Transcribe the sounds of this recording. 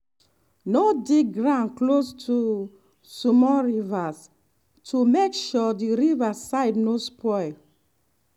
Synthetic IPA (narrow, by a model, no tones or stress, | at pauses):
nodeɡɹãnklostʰu | sumɔɹivas | tʰumekʃɔdiɹivasaɪdnospʰɔɪl